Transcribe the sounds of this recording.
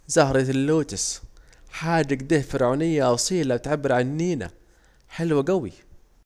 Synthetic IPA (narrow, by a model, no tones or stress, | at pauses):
zɑhɾˤit̪lːuːt̪ɪsħaːd͡ʒːaɡd̪iːhfɪɾʕuːnɪjːaʔsˤiːlabɪt̪ʕabːɪɾʕannːiːna̰ | ħɪlwaɡawi